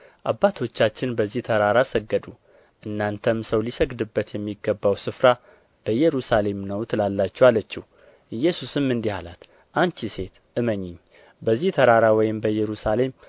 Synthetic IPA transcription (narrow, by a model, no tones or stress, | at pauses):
ʔabːat̪ʰo̞t͡ʃːat͡ʃːɪnbəzːiht̪ʰəɾaɾasəɡːəd̪u | ʔɨnːant̪ʰəmsəwlisəɡd̪ɨbːət̪jɛmːiɡːəbːawsɨfɾa | b̥əjɛɾusale̞mnəwt̪ʰlalːat͡ʃːɛwalət͡ʃːɛh | ɨjːɛsusɨmːɨnd̪ihalat̪ | ʔant͡ʃise̞t̪ | ɨməɲːɪɲː | bəzːiht̪ʰəɾaɾawɔjɪmbəjɛɾusale̞m